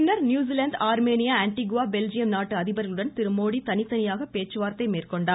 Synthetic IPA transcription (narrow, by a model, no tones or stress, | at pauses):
nːɐɾnjuːziːlɐnd̪aːɾmeːnɪjaːɐɳʈiɣʊʋaːbɛld͡ʒɪjɐmnaːʈːɯɐðɪbɐɾɣɐɭɯɽɐnt̪ɪɾɯmoːɽit̪ɐnɪt̪ːɐnɪjaːɣɐpeːt͡ʃːɯʋaːɾt̪ɐɪmeːrkɔɳɖaː